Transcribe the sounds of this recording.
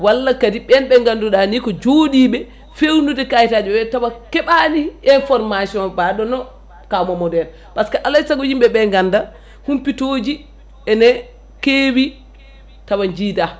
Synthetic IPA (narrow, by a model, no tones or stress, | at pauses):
walːakadiɓɛnɓɛŋɡanduɗanikɔd͡ʒodiɓɛ | fewnudɛkajitaːd͡ʒuɛtawakɛɓaniʔɛnfɔɾmasiɔnbaɗɔnɔ | kamɔmɔdɛn | paskaʔalasaɡod͡ʒimɓɛɓɛŋɡanda | humpitoːd͡ʒi | ɛnɛ | kewi | tawaɲd͡ʒida